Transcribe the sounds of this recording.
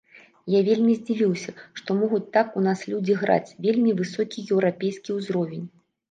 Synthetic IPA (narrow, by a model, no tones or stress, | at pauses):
javʲelʲmʲizʲd͡zʲivʲiwsʲɐʂt̪ɔmɔɣut͡sʲt̪akunaslʲud͡zʲiɣɾa̰t͡sʲvʲelʲmʲivɨsɔkʲijɛwɾapʲejskʲiwzɾɔvʲenʲ